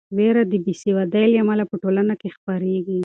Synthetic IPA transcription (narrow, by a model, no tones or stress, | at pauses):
weɾad̪əbisiwad̪ajljamalapəʈolanakexpaɾeɡi